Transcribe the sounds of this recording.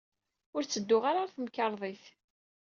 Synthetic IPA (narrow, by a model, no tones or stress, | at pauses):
ʊɾt͡sːəd̪ːʊʁaɾaθəmkːɑɾˤðˤiθ